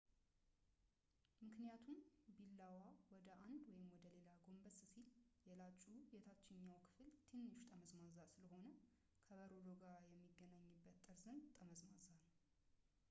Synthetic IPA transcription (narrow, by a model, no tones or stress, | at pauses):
mɨknijat̪ʰumbilːawawɔd̪əʔand̪wɔjɪmwɔd̪əle̞laɡo̞mbəsɨsiljɛlat͡ʃʼːujɛt̪ʰat͡ʃːɪɲːawkʰɨ̥fɨlt̪ʰenːɨʃt̪ʼəməzmazalsɨləho̞nə | kʰəβəɾod̪oɡajɛmːiɡːənaɲːɨbːət̪ʼːɨɾzənd̪t̪ʼəməzmazal